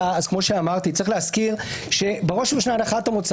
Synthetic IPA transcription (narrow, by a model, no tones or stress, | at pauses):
aaz̥kmo̞ʃeamaʁt̪itt͡sʁiχleaskiʁʃe̞beʁo̞ʃbeʃnataχatamut͡s